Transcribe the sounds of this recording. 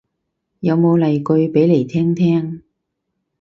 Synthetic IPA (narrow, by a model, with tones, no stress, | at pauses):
jɐ˨˧wmo˨˧wlɐ˨jkɵ˧ɥpe˨˥jle˨˩jt̪ʰɛː˥ŋt̪ʰɛː˥ŋ